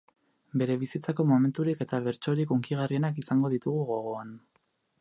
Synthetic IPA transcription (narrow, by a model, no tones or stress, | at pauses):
be̞ɾe̞βisit͡sako̞mo̞me̞nt̪uɾike̞t̪aβ̞e̞ɾt͡ʃo̞ɾikuŋkiɣ̞arie̞nakisaŋɡo̞ðit̪uɣ̞uɣo̞ɣ̞o̞an